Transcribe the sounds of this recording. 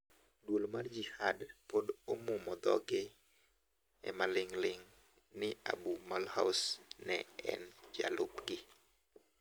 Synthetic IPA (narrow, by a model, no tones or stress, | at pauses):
dwolmard͡ʒihadpodomumɔd̪ɔ̰ɡe | ɛ̰malɪŋlɪŋ | nɪa̰bumalhasnɛ̰ɛ̰nd͡ʒa̰lʊpɡɪ